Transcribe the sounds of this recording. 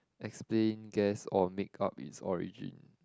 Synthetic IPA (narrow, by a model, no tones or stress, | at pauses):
ʔɛksplẽnɡɛsɔmikʰapḭtsɔɹḭd͡ʒḭ̃n